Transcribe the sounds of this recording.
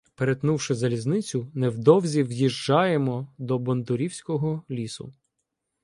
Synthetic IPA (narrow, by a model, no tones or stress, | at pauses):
peɾet̪nuwʃɪzɐlʲiznɪt͡sʲʊnɛwd̪ɔwzʲiwjiʒd͡ʒɑjemɔd̪ɔbɔnd̪ʊɾʲiwsʲkɔɦɔlʲisʊ̰